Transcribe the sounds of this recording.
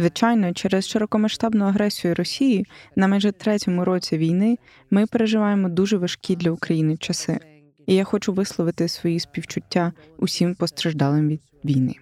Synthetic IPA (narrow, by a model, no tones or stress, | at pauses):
zʋɪt͡ʃɑjnɔt͡ʃɛɾɛsʃeɾɔkɔmɐʃt̪ɑbnɔjʊɐɦɾɛsʲijʊɾɔsʲijinɐmɛjʒɛt̪ɾɛtʲɔmʊɾɔt͡sʲiʋʲijnɪ | mɪpeɾeʒɪʋɑjemɔd̪uʒɛʋɐʃkʲid̪lʲɐʊkɾɐjinɪt͡ʃɐsɪ̰ | ijaxɔt͡ʃʊʋɪslˠɔʋɪt̪ɪsʋɔjispʲiwt͡ʃʊtʲːa | ʊsʲimpɔst̪ɾɐʒd̪ɑlˠɪmʋʲid̪ | ʋʲijnɪ̰